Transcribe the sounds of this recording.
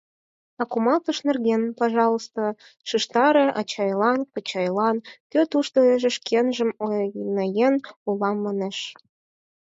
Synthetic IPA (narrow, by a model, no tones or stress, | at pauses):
ɑkumɑlˠt̪ɤʃnĕrɣʲenpɑʒɑlˠost̪o | ʃɯʃt̪ɑɾeʔɑ̰t͡ɕɑjlˠɑnkɤt͡ɕɑjlɑnkʲøt̪uʃt̪oeʒĕʃkʰenʒə̆monɑjenulɑmːɑneʃ